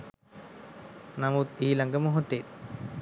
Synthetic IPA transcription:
namut̪iːlɐŋɡəmoɦot̪ːet̪

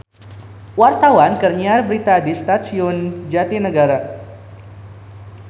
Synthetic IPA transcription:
wart̪awankərɲiarbəɾit̪adist̪asiʊnd͡ʒat̪inəɡaɾa

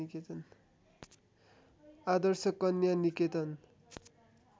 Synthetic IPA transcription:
iket̪ʌn | ad̪ʌrsʌkːʌnjaniket̪ʌn

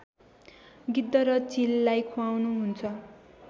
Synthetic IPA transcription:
ɡid̪ːʌɾʌt͡silːajkʰuawnuɦunt͡sʰʌ

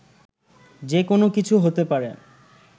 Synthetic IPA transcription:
d͡ʑekonokit͡ɕʰuɦot̪epaɾḛ

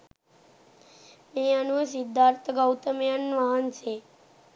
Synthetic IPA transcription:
meənusid̪ʱːaɾt̪ʰəɡəwt̪əmjanʋaɦənt͡ʃʰe

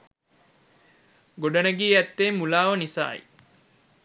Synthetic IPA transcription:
ɡoɖɐnɐɡiːɛt̪ːeːmːulaːʋɐnisa̰ːḭ

